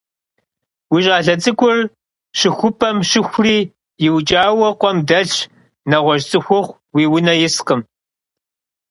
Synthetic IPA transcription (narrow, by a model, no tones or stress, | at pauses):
wiɕʼaːɬɐt͡sʼɨkʷʊr | ʂɨxʷʊpʰɐmʃɪxʷriː | jɪwt͡ʃʼaːwɐqʷɔmdɐɬ | nɐʁʷɔʒt͡sʼɨxʷʊχʷ | wiːwʊnɐjɪsqəm